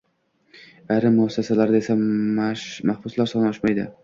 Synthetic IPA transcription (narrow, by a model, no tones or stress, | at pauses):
ajɾɪmːʊɒsːasalaɾd̪ae̞sa | mahbʊslaɾsɒnɒʃmajd̪ɪ̰